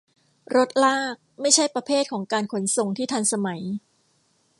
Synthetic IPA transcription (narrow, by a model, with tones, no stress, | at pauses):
ɾo˦˥t̪̚laː˥˩k̚ma˥˩jt͡ɕʰa˥˩jpɾa˧pʰeː˥˩t̪̚kʰɔː˩˦ŋkaː˧nkʰo˩˦nso˨ŋt̪ʰiː˥˩t̪ʰa˧nsa˧ma˩˦j